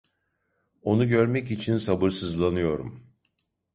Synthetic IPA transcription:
o̞nuɟø̞ɾmɛcit͡ʃʰinsabɯɾsɯzlˠanɯjo̞ɾṵm

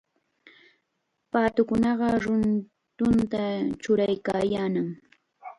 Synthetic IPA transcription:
paːt̪ʊkʊnɑɢɑɾʊn | t̪ʊnt̪at͡ʃʊɾajkaːjaːnaŋ

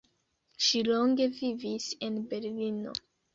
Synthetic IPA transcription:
ʃiloŋɡe̞vivise̞nbe̞ɾlino̞̰

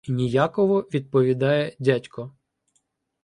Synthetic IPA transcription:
nʲijakɔʋɔʋʲid̪̚pɔʋʲid̪ɑjɛdʲatʲkɔ

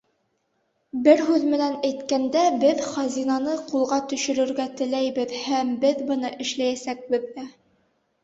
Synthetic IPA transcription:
bɘɾɦʉðmɘ̆nænæjt̪kænd̪æbɘðχɑzinɑnɤqulˠʁɑt̪ɵ̆ʃɘ̆ɾɘ̆ɾɡæt̪ɘ̆læjbɘðhæmbɘðbɤ̆nɤʔɘ̆ʃlæjæsæk̚bɘ̆ðːæ

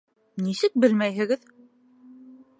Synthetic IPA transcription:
nisɘk̚bɘlmæjɦɘ̆ɣɘð

